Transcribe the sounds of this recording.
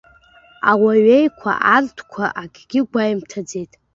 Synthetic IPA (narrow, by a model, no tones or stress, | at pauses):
awaɥe̞jkʷʰa̰ʔartʰkʷʰaʔaɡʲʼɡʲɪɡʷajimtʰad͡ze̞jtʼ